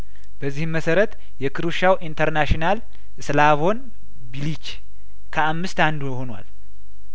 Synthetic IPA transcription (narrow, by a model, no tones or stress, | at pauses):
b̥əzːihmːəsəɾət̪ | jɛkʰɨɾuʃawʔint̪ʰəɾnaʃinal | slaβo̞n | bilit͡ʃ | kʰəamːɨst̪and̪uho̞nwa̰l